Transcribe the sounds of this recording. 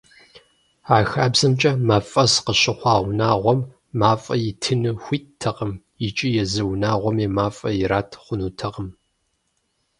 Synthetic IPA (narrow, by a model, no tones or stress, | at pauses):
aːxaːbzɐmt͡ʃʼɐmaːfʼɐsqəɕɪχʷɑːwʷnaːʁʷɔmː | aːfʼɐjɪtʰɨnɨxʷiːttʰːɐqəm | jɪt͡ʃʼijɛzɨwnaːʁʷɔmeːmaːfʼɐjɪɾaːtʰχʷʊnuːtʰɐʁəm